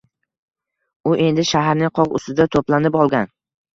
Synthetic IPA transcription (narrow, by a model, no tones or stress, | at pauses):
ʊʔe̞nd̪ɪʃaɦaɾnɪŋqʰɒʁʊ̰st̪ɪd̪at̪ʰoplanɪpɒlˠɡʲan